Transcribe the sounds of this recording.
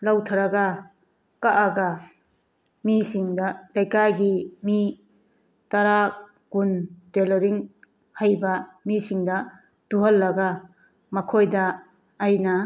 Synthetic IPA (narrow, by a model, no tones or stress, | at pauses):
lawtʰɐɾɐɡɐ | kaʔːɡɐ | misiŋdɐlɐjkaɡimi | tɐɾa | kunteloɾiŋ | hajbɐmisiŋdɐ | tuɦɐlːɐɡɐ | mɐkʰojdɐː | jnɐ